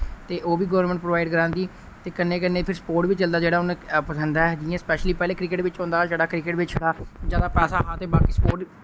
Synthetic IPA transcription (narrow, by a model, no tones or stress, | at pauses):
t̪eːʔoːʋiːɡəʋəɾmɛ̃ɳʈ̚pɾoːʋaːɪɖkəɾãːnd̪iː | t̪eːkənːeːkənːeːpʰɪɾsə̥poːɾʈʋiːt͡ʃəld̪aːd͡ʒeːɽaːʊnẽpəsənd̪aːɛd͡ʒɪjãːspɛːʃliːpɛːleːkɾɪkɪʈʋɪt͡ʃõːnd̪aːd͡ʒeːɽaːkɾɪkɪʈʋɪt͡ʃt͡ʃʰeɽaːd͡ʒaːd̪aːpɛːsaːɦãːt̪eːbaːkiːspoːɾʈ